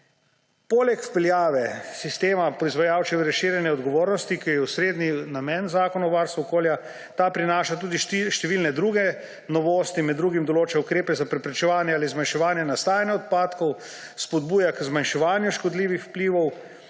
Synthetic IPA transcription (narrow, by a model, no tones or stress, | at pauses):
poːlɛkpɛljaːʋɛsist̪eːmapɾɔizʋajaːwt͡ʃɛʋɾɛʃiːɾjɛnjɛɔd̪ɡɔʋoːɾnɔst̪ikijɛusɾeːd̪ninamɛnzaːkɔnaɔʋaːɾst̪ʋuɔkoːlja | t̪apɾinaːʃat̪uːd̪iʃʃt̪ɛʋiːlnɛd̪ɾuːɡɛ | nɔʋoːst̪imɛd̪dːɾuːɡimd̪ɔloːt͡ʃɛukɾeːpɛzapɾɛpɾɛt͡ʃɛʋaːnjɛaːlizmanʃɛʋaːnjɛnast̪aːjanjɛɔt̪̚paːt̪kɔw | spɔd̪̚buːjakzmanʃɛʋaːnjuʃkɔd̪liːʋixwpliːʋɔw